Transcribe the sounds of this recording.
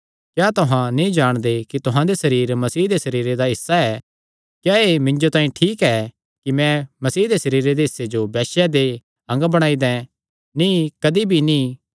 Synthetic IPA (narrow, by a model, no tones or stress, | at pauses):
kjaːt̪ʊɦãnĩd͡ʒaːɽ̃d̪ekit̪ʊɦãd̪esɐɾiːɾmɐsiːd̪esɐɾiːɾed̪aɦɪsːaɛ | kjaːemɪ̃ɲd͡ʒot̪ãːĩʈʰiːkɛ | kimɛ̃mɐsiːd̪esɐɾiːɾed̪eɦɪsːed͡ʒobɛːʃɛd̪e | ɐ̃ŋɡbɐɽ̃aːid̪ɛ̃ | nĩkɐd̪ibʱinĩː